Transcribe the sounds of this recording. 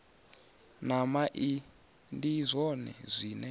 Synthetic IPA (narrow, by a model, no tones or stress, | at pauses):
namaʔi | ndizʷɔnɛ̰zʷiːnɛ